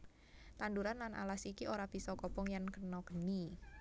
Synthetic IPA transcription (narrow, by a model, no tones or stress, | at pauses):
t̪and̪uɾanlanʔa̰lasikiʔoɾab̥i̤sɔkɔpɔŋjaŋkənɔkəni